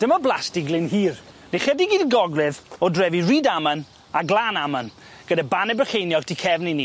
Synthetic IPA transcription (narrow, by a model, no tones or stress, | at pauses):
d̥əmɔblˠasdɪɡlɪnhiːr | neχədiɡiːdɡɔɡlɪðɔdrɛviriːdamən | aɡlˠaːnamən | ɡ̥ədabanɛbəχejnjɔɡtʰikʰɛvnini